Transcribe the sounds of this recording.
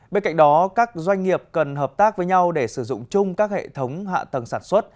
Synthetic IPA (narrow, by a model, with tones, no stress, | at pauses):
ɓe˧nka˧˨jŋ̟ɗɔ˨˦kaː˦˥k̚zwa˧jŋ̟ŋi˨˩əp̚kə˨˩nɦəː˨˩p̚t̪aː˦˥k̚vəː˨˦jɲa˧wɗe˧˩sɨ˧˩zʊ̰˧˨ŋ͡mt͡ɕʊ˧ŋ͡mkaː˦˥k̚hḛ˧˨t̪ʰə˨˦wŋ͡mɦa̰ː˧˨t̪ə˨˩nsaː˧˩nswə˦˥t̚